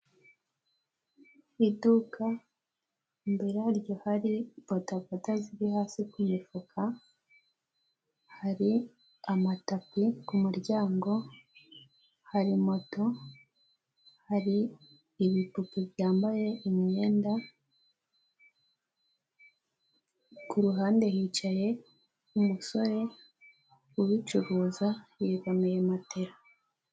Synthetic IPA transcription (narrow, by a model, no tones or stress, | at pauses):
iduka | mbeɾaɾɟo̞haɾibotavotaziɾihaːsikumifukʰa | haɾi | amatapikumuɾɟaːŋɡo̞ | haɾimo̞to̞ | haɾiː | βipupuβjaːmbaje̞imɲe̞ːnda | kuɾuɦaːnde̞hit͡ʃaje̞ | umuso̞ɾe̞ | uβit͡ʃuɾuːzajekomejemate̞ɾa